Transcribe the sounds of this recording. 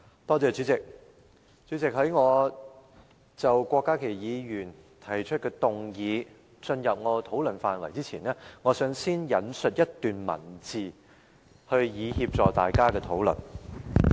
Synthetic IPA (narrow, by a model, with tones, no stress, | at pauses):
t̪ɔː˥t͡sɛː˨˧t͡syː˨˥t͡sɪ˨k̚ | t͡syː˨˥t͡sɪ˨k̚ɦɐ˨˥jŋɔː˨˧ | t͡sɐ˨wkʷɔː˧kːaː˥kʰe˨˩jjiː˨˧jyː˨˩n | t̪ʰɐ˨˩jt͡ʃʰɵ˥t̚kɛː˧t̪ʊ˨ŋjiː˨˧ | t͡ʃɵ˧njɐ˨p̚ŋɔː˨˧t̪ʰo˨˥wlɵ˨˩nfaː˨nwɐ̰˨˩jt͡siː˥t͡sʰiː˨˩nɛː˥ŋɔː˨˧sœː˨˥ŋsiː˥njɐ˨˥nsɵ˨t̚jɐ˥t̚t̪yː˨nmɐ̰˨˩nt͡siː˨ | hɵ˧ɥjiː˨˧hiː˧p̚t͡sɔː˨k̚t̪a̰ː˨jkaː˥kɛː˧t̪ʰo˨˥wlɵ̰˨˩n